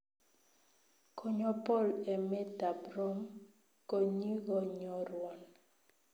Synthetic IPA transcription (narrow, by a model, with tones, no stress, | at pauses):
ko˦ɲɔ˦pɔ˦˨lɛ˨mɛ˦da˨bɾɔ˦m | ko˦ɲi˦ɣɔ˨ɲɔ˨ɾwɔ˨n